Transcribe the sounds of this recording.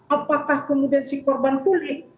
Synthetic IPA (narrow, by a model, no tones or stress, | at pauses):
apakahkəmudiansikɔrbant̪ulɪh